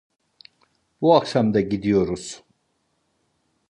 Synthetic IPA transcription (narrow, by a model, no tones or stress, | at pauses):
buakʃamd̪aɟid̪ijo̞ɾuz̥